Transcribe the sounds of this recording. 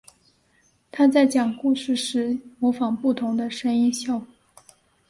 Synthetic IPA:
t̪ʰa˥t͡sa˥˩ɪt͡ɕjɑ˨˩ŋku˥˧ʂɻ̩˥˩ʂɻ̩˧˥mɔ˧˥fɑ˨˩ŋpu˥˩t̪ʰʊ˧˥ŋd̪ə˧ʂə˥ŋi˥nɕjɑ˥˧ʊ˥˩

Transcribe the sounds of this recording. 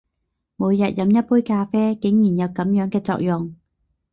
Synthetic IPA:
muː˨˧jjɐ˨t̚jɐ˨˧mjɐ˥t̚puː˥jkaː˧fɛː˥kɪ˨˥ŋjiː˨˩njɐ˨˧wkɐ˨˥mjœː˨˥ŋkɛː˧t͡sɔ̰ː˧k̚jʊ˨ŋ

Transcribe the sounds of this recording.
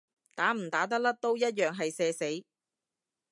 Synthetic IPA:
t̪aː˨˥m̩˨˩t̪aː˨˥t̪ɐ˥k̚lɐ˥k̚t̪o˥wjɐ˥t̚jœː˨ŋɦɐ˨jsɛː˧se˨˥j

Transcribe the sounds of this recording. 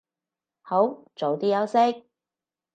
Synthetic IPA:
ho˨˥wt͡ʃo˨˧wt̪iː˥jɐ˨˥wsɪ˥k̚

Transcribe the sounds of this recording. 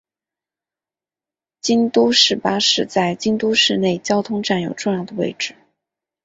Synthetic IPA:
t͡ɕi˥nt̪u˥ʂɻ̩˥˩pa˥ʂɻ̩˥˧t͡sa˥˩ɪt͡ɕi˥ŋt̪u˥ʂɻ̩˥˧ne˥˩ɪt͡ɕjɑ˥ʊt̪ʰʊ˥ŋʈ͡ʂa˥˩njo˨˩ʊʈ͡ʂʊ˥˧ŋjɑ˥˩ʊd̪ə˩we˥˧ɪʈ͡ʂɻ̩˥˩

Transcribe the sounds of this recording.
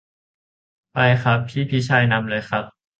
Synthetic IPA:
pa˧jxʰa˦˥p̚pʰiː˥˩pʰi˦˥t͡ɕʰaː˧jna˧mlɤː˧jxʰɾa˦˥p̚

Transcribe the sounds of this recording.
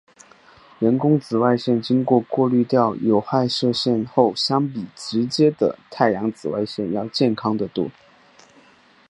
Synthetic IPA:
ɻə˧˥nkʊ˥ŋt͡sɹ̩˨˩wa˥˧ɪɕjɛ˥˩nt͡ɕi˥ŋkwɔ˥˧kwɔ˥˧ly˥˧t̪jɑ˥˩ʊjo˨˧˩ʊxa˥˧ɪʂɤ˥˧ɕjɛ˥˧nxo˥˩ʊɕjɑ˥ŋpi˨˩ʈ͡ʂɻ̩˧˥t͡ɕjɛ˥d̪ə̰˨t̪ʰa˥˩ɪjɑ˧˥ŋt͡sɹ̩˨˩wa̰˥˧ɪɕjɛ˥˧njɑ˥˧ʊt͡ɕjɛ˥˩nkʰɑ˥ŋd̪ə˨t̪wɔ̰˥˩

